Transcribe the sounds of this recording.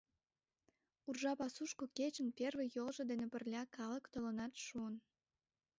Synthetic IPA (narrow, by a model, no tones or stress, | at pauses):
urʒɑpɑsuʃkoket͡ɕənpʲervĕjolʒŏd̪enepərlʲɑkɑləkt̪olənɑt̪ʃuən